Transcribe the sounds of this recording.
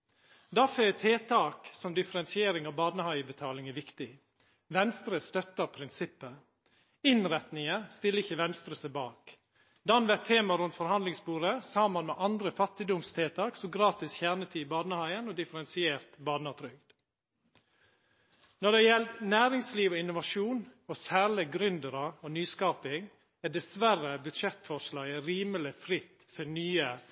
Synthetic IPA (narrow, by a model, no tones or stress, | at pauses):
d̪ɑːføt̪ʰeːt̪ʰɑːksɔmd̪ɪfəɾɛnsɪeːɾɪŋɑːʋbɑːd̪nəhɑɪəbət̪ʰɑːlɪŋæʋɪkt̪ɪ | ʋɛnst̪ɾəst̪œt̪əpʰɾɪnsɪpːə | ɪnɾɛt̪nɪŋəst̪ɪlːəɪçəʋɛnst̪ɾəsəbɑːk | d̪ɑnʋæt̪ʰːeːmɑɾʉnt̪fɔɾhɑnd̪lɪŋsbuːɾəsɑːmənmɛʔɑnd̪ɾəfɑt̪ɪd̪ʊmst̪ʰeːt̪ʰɑːksɔɡɾɑːt̪ɪsçæɳət̪ʰiɪbɑːd̪nəhɑɪənɔd̪ɪfəɾɛnsɪeːɾt̪bɑːd̪nɑt̪ʰɾʏɡd̪̥ | nɔɖ̪ɛjɛlt̪næːɾɪŋsliːʋɔɪnʊʋɑʂuːnosæːɾɭɪɡɾʏnd̪əɾɑonyːskɑːpɪŋ | æd̪ɛsʋærəbʉt̪ʃɛt̪fɔʂlɑːɡəɾiːməlɪfɾɪt̪ː | fɔnyːə